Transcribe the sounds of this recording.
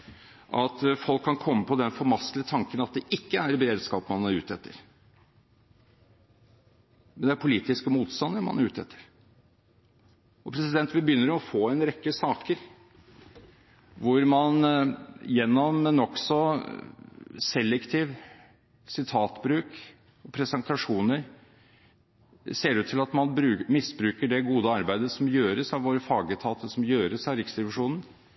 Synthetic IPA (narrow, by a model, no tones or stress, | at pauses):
ʔɑt̪fɔlkʰːɑnkʰɔmːəpʰɔd̪ɛnfɔɾmɑslət̪ʰɑŋkənɑt̪̚d̪ɛʔɪkːəæɾbəɾeːd̪skɑːpəmɑnæɾʉ̰ːt̪ɛt̪ːə̰ɾ | mɛnd̪ɛæɾpʰʊliːt̪ɪskəmuːt̪st̪ɑnd̪əɾmɑ̰nɾʉːt̪ɛ̰t̪ʰːə̥ɾ | ɔpʰɾɛsɪd̪ɛnt̪ʋɪbəjʏnːəɾɔfoːɛnɾɛkːəsɑːkəɾ | ʋʊɾmɑn | jɛnːɔmːɛnɔksɔ | sɛlːɛkt̪ʰiːʋ | sɪt̪ʰɑːt̪bɾʉːk | ɔpʰɾɛsənt̪ʰɑʂuːnəɾ | seːɾʉːt̪ʰːɪlɑt̪mɑnbɾʉːmɪsbɾʉːkəɖɛɡuːd̪əɑɾbæɪd̪əsɔmjøːɾəsɑʋʋoːɾəfɑːɡət̪ʰɑːt̪ʰəsɔmjøːɾəsɑʋɾɪksd̪ɾɛʋɪʂuːnən̩